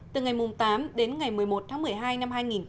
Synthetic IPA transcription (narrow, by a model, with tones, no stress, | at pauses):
t̪ɨ˨˩ŋa˨˩jmʊ˨˩ŋ͡mt̪aː˨˦mɗe˨˦nŋa˨˩jmɨ˨˩əjmo˨˩t̚t̪ʰaː˨˦mɨ˨˩əjɦaː˧jna˧mhaː˧jŋi˨˩n